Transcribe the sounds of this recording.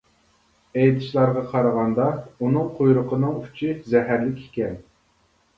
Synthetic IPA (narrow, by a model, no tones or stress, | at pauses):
ɛjt̪ʰɪ̥ʃlˠɑɾʁɑqʰɑɾəʁɑnd̪ɑunɨŋqʰojɾʊqʰənɨŋy̥t͡ʃʰizɛɦæɾlɪkʲi̥kʲɛn